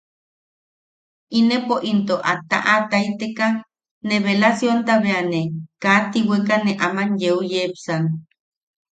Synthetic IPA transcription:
inepoʔint̪oʔa̰t̪a̰ʔat̪ait̪eka | neβelasjont̪aβeanekat̪iwekaneʔamanjeujepsan

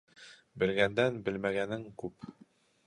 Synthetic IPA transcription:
bɘ̆lɡænd̪ænbɘ̆lmæɡænɘŋkʉp

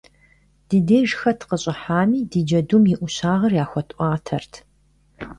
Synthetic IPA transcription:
d̥ideːʒxɐtʰqəɕʼɪħaːmiːdid͡ʒɐdumjɪʔʷʊɕaːʁɐrjaːxʷɔtʔʷɑːtʰɐrtʰ

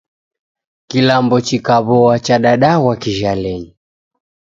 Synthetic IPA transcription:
kilambɔt͡ʃikaβɔat͡ʃaɗaɗawakiʒalɛɲi

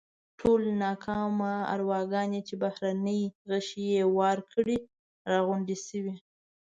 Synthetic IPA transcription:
ʈʰolnɑkʰɑmaa̰ɾwɑɡɑnet͡ʃebahɾanəjɣəʃijewɑɾkʰəɽi | ɾɑɣʊɳɖisəwi

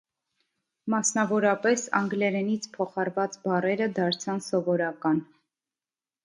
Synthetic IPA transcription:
mɑsnɑvɔɾɑpɛsɑ̰ŋɡlɛɾɛnit͡sʰpʰɔχɑɾvɑt͡sbɑrɛɾəd̪ɑɾt͡sʰɑnsɔvɔɾɑkɑn

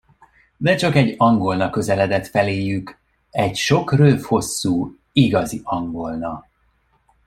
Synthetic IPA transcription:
d̪ɛt͡ʃɒkɛɟːɒŋɡo̞lnɒkø̞zɛlɛd̪ɛt̪fɛleːjyk | ɛɟʃo̞krøːfho̞sːuː | iɡɒziɒŋɡo̞lnɒ

